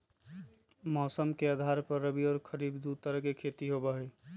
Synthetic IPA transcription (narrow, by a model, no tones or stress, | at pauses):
mɔːsəmkead̪ʱaɾpəɾːəbiɔːɾkʰəɾibd̪ut̪əɾəɦkekʰet̪iɦobəɦoj